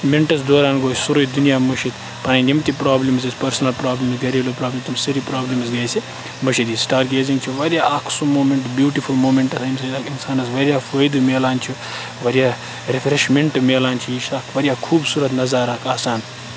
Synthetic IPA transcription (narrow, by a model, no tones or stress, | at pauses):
meɳʈɐs̬d̪oːɾaːnɡoːssuɾɐd̪unijaːmɐʃit̪ | pɐnɐnʲimt̪ipɾaːblims̬ispɐɾsɐnɐlpɾaːblʲimsɡɐɾilopɾaːblɐmt̪umsɐɾipɾaːblimsɡɐjsi | mɐʃit̪isʈaːɾɡeːzĩŋɡt͡ʃʰuʋɐɾijaːɐkʰsumoːmeɳʈbjuːʈifulmoːmeɳʈɐsɐjmsɐjd̪akinsaːnɐsʋɐɾʲijaːfoːjd̪umeːlaːnt͡ʃʰu | ʋɐɾjaː | ɾefʰɾeʃmeɳʈmeːlaːnt͡ʃʰiiʃaːkʋɐɾʲijaːkʰuːbsuːɾɐt̪nɐzaɾaːkʰaːsaːn